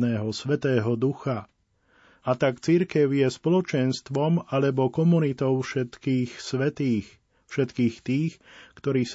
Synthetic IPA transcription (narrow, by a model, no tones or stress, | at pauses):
nɛːɦɔsʋɛt̪ɛːɦɔd̪uxa | at̪akt͡siɾkɛʊjɛspɔlɔt͡ʃɛnst̪ʋɔmalɛbɔkɔmunit̪ɔʊʃɛt̪kiːxsʋɛt̪iːx | fʃɛt̪kiːxt̪iːxkt̪ɔɾiːs